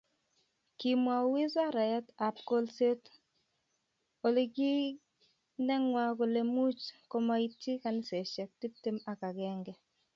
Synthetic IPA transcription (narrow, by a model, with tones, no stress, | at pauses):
ki˨mwa˨wi˦za˦ɾa˨ja˦ta˨p̚ko˦lse˦t | o˨li˦ɡɪ˦ | nɛ˦ŋwa˦ko˨le˨mu˦t͡ʃko˦ma˦i˦t̚t͡ʃi˦ka˨nɪ˦sɛ˨ʃɛ˨k̚ti˦p̚ti˦ma˨ka˨ɡɛ˦ŋɡɛ˦